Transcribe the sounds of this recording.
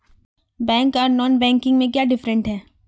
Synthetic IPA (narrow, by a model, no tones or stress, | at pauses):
bɛ̃ːŋkaːɾnɔːnbɛ̃ːŋkɪ̃ŋɡmẽk̬jaːɖɪfɾə̃ɳʈɦɛː